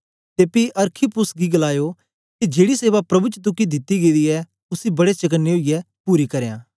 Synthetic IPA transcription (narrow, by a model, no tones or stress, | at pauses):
t̪eːpiʔɐɾkʰipʊsɡiɡɐlaːjo | ked͡ʒeːɽiseːʋapɾɐbut͡ʃət̪̬ʊkid̪ɪt̪ːiɡeːd̪iɛ | ʊsibɐɽet͡ʃɐkənːeoijɛpuːɾikɐɾejã̰ː